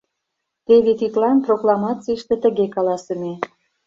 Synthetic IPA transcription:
t̪eβet̪it̪lɑnproklɑmɑt͡siəʃt̪ĕt̪ə̆ɣekɑlɑsə̆me

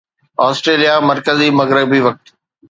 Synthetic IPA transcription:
ɔːsʈɾeːlijamɐɾkəzimɐɣɾɪbiʋɐk̚t̪

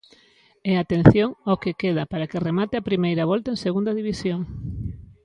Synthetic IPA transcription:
ɛat̪en̟θjoŋokekeðɐpaɾɐkeremat̪ɪapɾimejɾɐβɔlt̪aẽŋseɣund̪ɐðiβisjoŋ

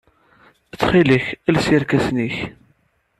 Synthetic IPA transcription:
ət͡sːχiləçælsiɾkæsniç

